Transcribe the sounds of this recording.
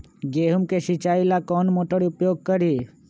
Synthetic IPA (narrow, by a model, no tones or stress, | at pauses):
ɡeɦumkeʃit͡ʃailakɔːnmoʈəɽiupjoːɡ̚kəɾi